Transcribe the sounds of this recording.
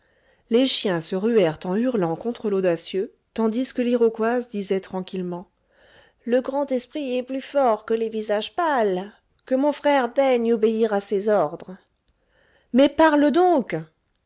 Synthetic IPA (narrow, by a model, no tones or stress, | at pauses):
leʃjɛ̃səʁyɛʁt̪ɑ̃yʁlɑ̃kɔ̃t̪χəlod̪asjø | t̪ɑ̃d̪iskəliʁɔkwazd̪izɛt̪χɑ̃kʲilmɑ̃ | ləɡʁɑ̃t̪ɛspχiɛplyfɔʁkəlevizaʒpal | kəmɔ̃fχɛʁd̪ɛɲobeiʁasezɔʁd̪ʁə | mɛpaʁləd̪ɔ̃k